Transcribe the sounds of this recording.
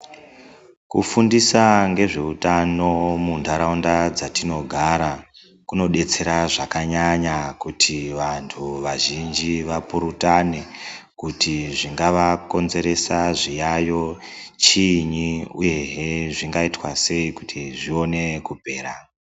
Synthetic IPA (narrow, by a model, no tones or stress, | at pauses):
kufundisaŋɡe̞ʐe̞utano̞mundʱaɾaundad͡zatino̞ɡʱaɾa | kuno̞ɗe̞t͡se̞ɾaʐakaɲaɲakutʰiʋantʰuʋaʒind͡ʒiʋapuɾutanekutiʐiŋɡaʋako̞nze̞ɾe̞saʐijajo̞t͡ʃiɲiṵje̞ɦeʐiŋɡaitwase̞ikutʰiʐio̞ne̞kupe̞ːɾa